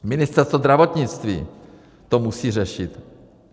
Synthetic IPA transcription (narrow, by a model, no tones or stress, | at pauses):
mɪnɪst̪ɛɾst̪vozd̪ɾavot̪ɲɪt͡st̪vḭː | t̪omusiːr̝ɛʃɪt̪